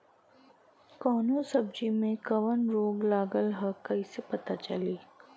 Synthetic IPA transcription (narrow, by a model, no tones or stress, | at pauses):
kɔːnõsɐb̚d͡ʒimẽkɐʋənɾoːɡlaːɡəlɦɐkɐisepɐt̪at͡ʃɐliː